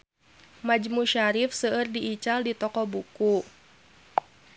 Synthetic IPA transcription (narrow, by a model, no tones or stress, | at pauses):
mad͡ʒmuʃaɾifsəːrdiʔːt͡ʃaldit̪ɔkɔbuku